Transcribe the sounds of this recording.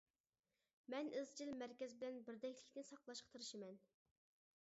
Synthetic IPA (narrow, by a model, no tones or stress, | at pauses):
mɛnɨzd͡ʒilmæɾkʲɛzbɪlɛnbɪɾd̪ɛkʲlɪkʲnɪsɑqlˠɑʃqʰət̪ʰɨɾɨʃɪmɛn